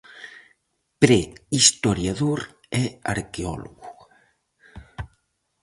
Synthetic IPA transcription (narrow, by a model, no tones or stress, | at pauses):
pɾɛist̪oɾjaðoɾ | ɛa̰ɾkeɔ̰lo̰ɣu